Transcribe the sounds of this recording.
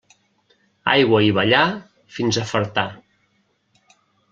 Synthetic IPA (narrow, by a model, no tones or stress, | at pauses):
a̰jɣwəiβəʎa | finzəfəɾt̪a